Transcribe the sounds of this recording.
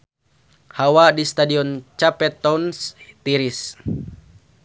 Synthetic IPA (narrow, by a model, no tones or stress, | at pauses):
hawadist̪adiɔnt͡ʃapɛt̪ɔunst̪iɾis